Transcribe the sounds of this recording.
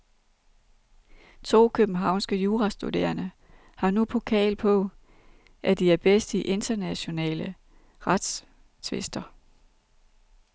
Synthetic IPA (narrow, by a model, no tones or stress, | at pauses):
t͡sʰo̝̰ːkʰøb̥n̩ɦɑ̈ʊ̰nsɡ̥əjuːʁɑ̈sd̥ud̥e̝̰ːɐnə | hɑ̈nupʰo̝kʰɛ̰ːlpʰɔ̽ | ʔæd̥iæɐb̥esd̥iʔe̝nd̥ɐnæɕo̝nɛ̰ːlə | ʁɑd̥s | t͡sʰʋe̝sd̥ɐ